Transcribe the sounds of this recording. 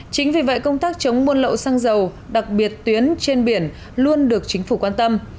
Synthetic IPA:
t͡ɕï˨˦ŋvi˨˩və̰˧˨jkə˧wŋ͡mt̪aː˦˥k̚t͡ɕə˨˦wŋ͡mmu˧ənlə̰˧˨wsa˧ŋzə˨˩w | ɗa˨˩k̚ɓi˨˩ət̚t̪wi˨˦ənt͡ɕe˧nɓi˧˩ən | lu˧ənɗɨ˨˩ək̚t͡ɕï˨˦ŋ̟fu˧˩kwaː˧nt̪ə˧m

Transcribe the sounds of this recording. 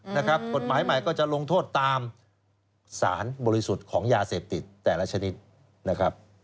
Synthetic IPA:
na˦˥kʰɾa˦˥p̚ko˨˩t̪̚maː˩˦jma˨˩jkɔː˥˩t͡ɕa˨˩ʔlo˧ŋt̪ʰoː˥˩t̪ːaː˧m | sa̰ː˩˦nbɔː˧ɾi˦˥su˨˩t̪̚kʰɔː˩˦ŋjaː˧seː˨˩p̚t̪i˨˩t̪ːɛː˨˩la˦˥t͡ɕʰa˧ni˦˥t̪̚ | na˦˥kʰɾa˦˥p̚

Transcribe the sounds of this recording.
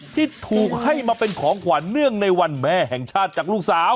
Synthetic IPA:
t̪ʰiː˥˩t̪ʰuː˨˩k̚ha˥˩jmaː˧pe˧nkʰɔː˩˦ŋkʰwaː˨˦nːɯ˥˩əŋna˧jwa˧nmɛː˥˩ɦɛ˨˩ŋt͡ɕʰaː˥˩t̪̚t͡ɕaː˨˩k̚luː˥˩k̚saː˩˦w

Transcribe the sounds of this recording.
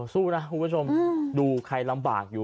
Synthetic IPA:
suː˥˩na˦˥kʰu˨˦pʰu˥t͡ɕʰo˧mduː˧kʰa˧jla˧mba̰ː˨˩k̚juː˨˩

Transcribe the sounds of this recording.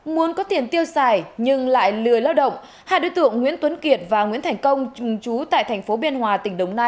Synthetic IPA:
mu˨˦ənkɔ˨˦t̪i˨˩ənt̪i˧əwsaː˨˩jɲɨ˧ŋla̰ː˧˨jlɨ˨˩əjlaː˧wɗə̰˧˨wŋ͡m | haː˧jɗo̰˧˦jt̪ɨ̰˧˨əŋːḭ˧˥nt̪wə˨˦nki˨˩ət̚vaː˨˩ŋwi˧˥nt̪ʰɛ˨˩jŋ̟kə˧wŋ͡mt͡ɕʊ˨˩ŋ͡mt͡ɕu˨˦t̪a̰ː˧˨jt̪ʰɛ˨˩ŋ̟fo˨˦ɓi˧ənhwaː˨˩t̪ï˧˩ŋ̟ɗə˨˩wŋ͡mnaː˧j

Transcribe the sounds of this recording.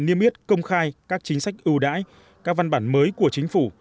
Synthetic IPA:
ni˧əmʔi˦˥ət̚kə˧wŋ͡mxaː˧jkaː˦˥k̚t͡ɕï˨˦ŋ̟sa˦˥jk̟̚ʔɨ˧wɗa̰ː˧˥j | kaː˦˥k̚va˧nɓaː˧˩nməː˨˦jku˧˩ət͡ɕï˨˦ŋ̟fu˧˩

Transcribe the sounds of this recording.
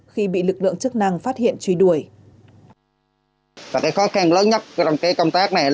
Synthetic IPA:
xi˧ɓḭ˧˨lɨ˨˩k̚lɨ̰˧˨əŋt͡ɕək̚na˧ŋfaː˦˥t̚hḭ˧˨ənt͡ɕwi˨˦ɗu˧˩əj | vaː˨˩kaː˨˦jxɔ˨˦xa˧ŋləː˨˦nɲə˦˥t̚t͡ɕɔ˧wŋ͡mkaː˨˦jkə˧wŋ͡mt̪aː˦˥k̚na˨˩jl

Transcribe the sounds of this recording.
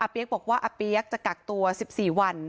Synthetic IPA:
ʔa˧pi˧˦˥ək̚bɔː˨˩k̚waː˥˩ʔa˧pi˦˥ɐ˩k̚t͡ɕa˨˩ka˨˩k̚t̪u˧ɐsi˨˩p̚siː˨˩wa˧n

